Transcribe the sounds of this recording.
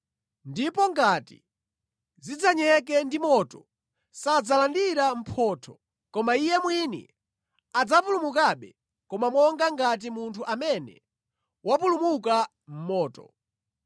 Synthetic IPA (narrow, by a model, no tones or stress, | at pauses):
ndipɔŋɡatḭ | zid͡zaɲɛk̬ɛndimɔtɔ | sad͡zalandiɾam̩pʰɔːtʰɔ | kɔmaijɛmwinḭ | ad͡zapulumukaɓɛ | kɔmamwɔŋɡaŋɡat̬imuntʰuʔamɛnɛ̰ | wapulumuk̬a | m̩mɔːtɔ̰